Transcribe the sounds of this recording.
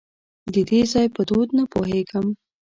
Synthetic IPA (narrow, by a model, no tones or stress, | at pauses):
d̪əd̪ezɑjpəd̪od̪napoɦeɡəm